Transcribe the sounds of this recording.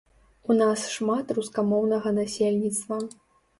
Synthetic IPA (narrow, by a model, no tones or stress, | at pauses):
unasʂmat̪ruskamɔwnɐɣɐnasʲelʲnʲit̪st̪vɐ